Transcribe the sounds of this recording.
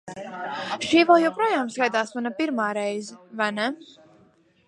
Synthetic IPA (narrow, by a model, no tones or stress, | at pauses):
ʃiːvɛlˠjɛwpɾoːjaːmskajt̪aːsmanapiɾmaːɾɛjzɛvajnɛ